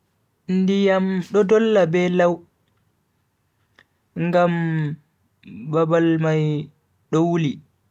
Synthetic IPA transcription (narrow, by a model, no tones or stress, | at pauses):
ndijamɗɔdɔlːabɛlaw | ŋɡam | babalmaj | ɗɔwuli